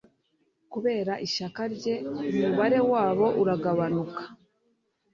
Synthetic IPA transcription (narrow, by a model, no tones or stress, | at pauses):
kuβe̞ːɾaʔiʃakaɾɟe̞umuβaɾe̞waːβo̞ʔuɾaɡaβanukḁ